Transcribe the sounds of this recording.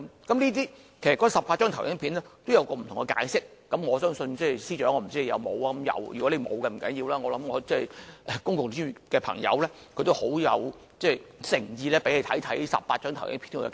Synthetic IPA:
mkɐ˨˥mnliː˥t̪iː˥ | kʰsɐ˨tkɔ˨˥˩sɐ˨pːaː˧t̚t͡ʃœː˥ŋt̪ʰɐ˨˩wjɪ˨˥pʰiː˨˥nlɛ˥t̪o˥wjɐ˨˧wkɔː˧m̩˨t̪ʰʊ˨˩ŋkɛ˧ka̰ː˨˧jsɪ˥k̚ːɐ˨˥mŋɔː˨˧sœː˥ŋsɵ˧nt͡sɛ˥˩siː˥t͡ʃœː˨˥ŋɔː˨˧m̩˨˩t͡siː˥˨jɐ̰˨˧wmo̰˨˧waː˧ɐ˨˦mjɐ̰˨˧wjy̰˨kɔ˨˥le˨˧jmo̰˨˧wkɛ˧m̩˨˩kɐ̰˨˥njiː˧wlaː˥ŋɔː˨˧lɐ˨˧˥mŋɔː˧t͡sɛː˥˩jɛ˨˧kʊ˥ŋkʊ˨ŋty˥˨kɛː˧pʰɐ̰˨˩ŋjɐ̰˨˧wlɛː˥ | kʰɵ˨˧t̪o˥who˨˥wjɐ˨˧w | t͡sɛ˥˩jsɪ˨˩ŋjiː˧lɛː˥pe˨˥le˧jt̪ʰɐ˨˥jt̪ʰɐ˨˥jsɐ̰˨p̚paː˧t̚t͡ʃœː˥ŋt̪ʰjʔɪ̰˨˥ŋpʰi˨˥nkːj̰

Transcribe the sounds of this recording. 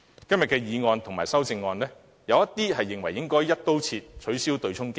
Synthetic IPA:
kɐ˥mjɐ˨t̚kɛː˧jiː˨˧ŋɔː˧nt̪ʰʊ˨ŋmaː˨˩jsɐ˥wt͡sɪ˧ŋːɔː˧nlɛː˥ | jɐ˨˧wjɐ˥t̪̚iː˥ɦɐ˨jːɪ˨ŋwɐ˨˩jːɪ˥ŋkɔː˥jɐ˥t̚t̪o˥wt͡sʰiː˧t̚t͡sʰɵ˨˥ɥsiː˥wt̪ɵ˧ɥt͡sʰʊ˥ŋki˥

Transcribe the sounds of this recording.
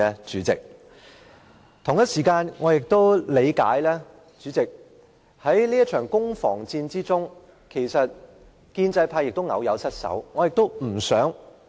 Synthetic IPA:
ɛ˧t͡ʃyː˨˥t͡sɪ̰˨k̚ | t̪ʰʊ˨˩ŋjɐ˥t̚siː˨˩kaː˧nŋɔː˨˧jɪ˨k̚t̪o˥wle˨˧jka̰ː˨˥jlɛː˥ | t͡ʃyː˨˥t͡sɪ˨k̚ | hɐ˨˥jliː˥ɐ˥t̚t͡ʃʰœː˨˩ŋkʊ˥ŋfɔ̰ː˨˩ŋt͡siː˧nt͡siː˥t͡sʊ˥ŋ | kʰe˨˩jsɐ˨t̚ | kiː˧nt͡sɐ˧jpʰaː˧jɪ˨k̚t̪o˥wŋɐ̰˨˧wjɐ˨˧wsɐ˥t̚sɐ̰˨˥wŋɔː˨˧jɪ˨k̚t̪o˥wm̩˨˩sœː˨˥ŋ

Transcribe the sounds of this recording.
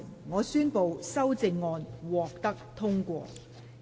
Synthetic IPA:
ŋɔː˨˧syː˥npo˨˧wsɐ˥wt͡sɪ˧ŋːɔː˧nwɔː˨k̚t̪ɐ˥k̚t̪ʰʊ˥ŋkʷɔ̰ː˧

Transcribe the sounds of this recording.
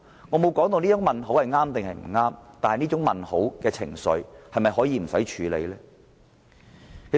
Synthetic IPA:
ŋɔː˨˧mo˨˧wkɔː˨˥ŋt̪o˧wniː˥t͡sʊ˨˥ŋmɐ˨nɦo˨˥whɐ˨jŋaː˥mt̪ɪ˨ŋhɐ˨jm̩˨˩ŋaː˥mt̪aː˨nhɐ˨niː˥ʊ˨˥ŋmɐ˨nho̰˨˥wkɛː˧t͡sʰɪ̰˨˩ŋsɵ̰˨˧ɥhɐ˨jmɐ˨jɦɔː˨˥jiː˨˧m̩˨˩sɐ˨˥jt͡ʃʰyː˨˧lḛ˨˧jlɛː˥ | kʰe˨˩

